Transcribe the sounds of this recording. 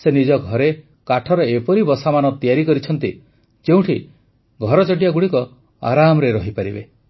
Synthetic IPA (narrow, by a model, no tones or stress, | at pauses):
senid͡ʒɔɡʱɔɾe | kaʈʰɔɾɔepɔɾibɔsamanɔt̪ijaɾikɔɾit͡ʃʰɔnt̪i | d͡ʒeũʈʰi | ɡʱɔɾɔt͡ʃɔʈ̬ijaɡuɽikɔ | a̰ɾamɔɾeɾɔɦipaɾibḛ